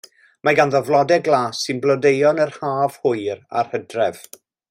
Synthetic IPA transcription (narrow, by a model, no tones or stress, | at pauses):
mʔaɡanðɔvlˠɔdɛɡlˠaːsɪnblɔdejɔnərhaːv̥hʊɨɾa̰rhədrɛv